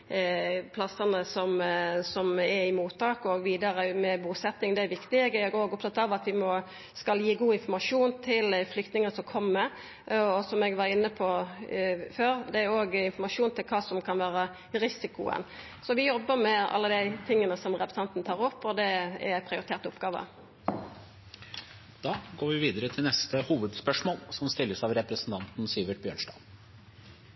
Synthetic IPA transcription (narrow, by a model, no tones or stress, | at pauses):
pʰlɑsənəsɔmsɔmɛɾɪmuːt̪ːɑːkɔɡʋiːd̪ɑɾəmɛbuːsɛt̪ːɪŋd̪ɛæɾʋɪkt̪ɪɛɡæɡoːɡɔpt̪ʰɑt̪ːɑʋɑt̪ʋɪmɔ | skɑljiːɡuːɪnfɔmɑʂuːnt̪ʰɪlflʏkt̪nɪŋənsɔmkʰɔmːəɾ | ɔsɔmɛɡʋɑɾɪnːəpʰɔ | føːɾd̪ɛæɾoːɡɪnfɔmɑʂuːnt̪ʰɪlkʰɑːsɔmkʰɑnʋæːɾə | ɾɪsɪkʊ̰ə̰n | sɔʋɪjɔbːəmɛʔɑ̰lːəd̪æɪt̪ʰɪŋːənəsɔmʁɛpɾəsɑnt̪nət̪ʰɑːʁɔpːɔd̪ɛɛ̰pʰʁɪʊɾɪt̪ʰeːʁt̪ʊpɡɑːʋə̰ | d̪̥ɑːɡoːɾʋɪʋiːd̪əɾət̪ʰɪlnɛst̪əhuːʋəd̪spœʂmoːlsɔmst̪ɪlːəsɑʋɾɛpɾəsn̩t̪ʰɑnt̪n̩siːʋəʈ̚bjø̰ːɳʂdɑ̰ːʋ